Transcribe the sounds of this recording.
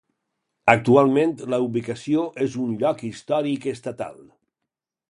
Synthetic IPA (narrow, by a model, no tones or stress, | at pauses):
ək̚t̪ualˠmẽnt̪ləuβikasioʔezunʎɔkist̪ɔɾikest̪at̪a̰lˠ